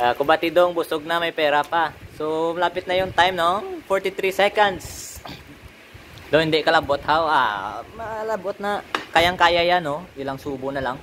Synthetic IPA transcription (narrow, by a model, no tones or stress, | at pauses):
ʔakʊbat̪id̪oŋbʊsʊɡ̚namajpɛːɾapasomlaːpɪt̪̚nɐjʊŋt̪ajmnofoɹt̪it̪ɾisɛkand̪s | d̪owɪnd̪ɪʔkɐlabot̪hawa̰malabot̪̚nakajaŋkaːjajanoilaŋsuːbʊnɐlaŋ